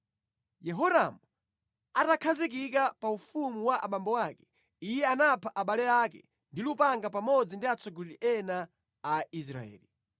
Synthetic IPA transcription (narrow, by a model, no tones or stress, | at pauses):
jɛɦɔɾa̰mu | atakʰazikik̬apaufumuwaʔa̰ɓambɔwakɛ̥ | ijɛanapʰaʔaɓalɛakɛ̰ | ndilupaŋɡapamɔd͡zindiat͡sʰɔɡɔɾiɾiʔɛnaː | is̬ɾa̰ɛ̰ːli